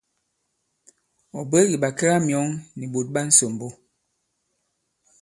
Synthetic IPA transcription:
ɔ˨be˦ɣi˨ɓa˨ke˦ɣa˦mjɔ˨˦ŋni˨bo˨t̚ɓa˦n̩˦so˨mbo˦

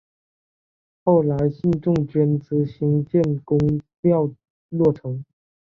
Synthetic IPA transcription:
xo˥˩ʊla˧˥ɪɕi˥˧nʈ͡ʂʊ˥˩ŋt͡ɕɥɛ˥nt͡sɹ̩˧˥ɕi˧˥ŋt͡ɕjɛ˥˩˨nkʊ˥ŋljɑ˥˧ʊ | lwɔ˥˩ʈ͡ʂʰɤ˧˥˦ŋ

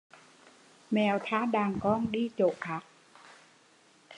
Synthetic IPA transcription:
mɛ˨˩wt̪ʰaː˨˦˥ɗaː˨˩ŋkɔː˧˥nɗiː˧˩t͡ɕoː˨˩ʔ̚ka˨˦˥k̚

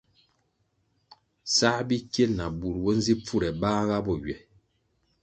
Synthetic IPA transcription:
sa˦bi˦kje˦lna˨bu˨ɾwɔ˦n˦zi˦p͡fu˦ɾɛ˨baː˦ɣa˦bɔ˨ɥɥɛ˨

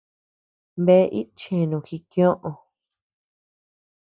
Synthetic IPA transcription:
mβe˦˧ʔi˦t͡ʃẽ˨nũ˨xi˧kj̃õ˦ʔõ˨˧

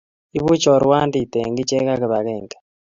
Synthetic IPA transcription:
i˦βu˦t͡ʃo˨ɾwaː˦ndi˨teŋɡi˦t͡ʃe˦ka˦ki˨βa˨ɣeːŋɡḁ

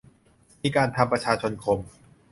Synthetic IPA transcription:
miː˧˥kaː˧nt̪ʰa˧mpɾa˧t͡ɕʰaː˧t͡ɕʰo˧nkʰo˧m

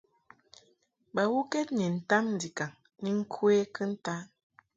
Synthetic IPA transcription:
ba˨wu˦kɛ˦t̚ɲɛ˨n̩˨ta˦mn̩˨di˨ka˨ŋ | ni˦ŋ̩˦kʰwe˦kə˦n̩˦ta˦

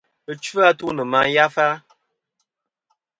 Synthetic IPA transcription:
ə˨t͡ʃvɨ˦a˦tu˦nɨ˨ma˨˦ja˦fa˦

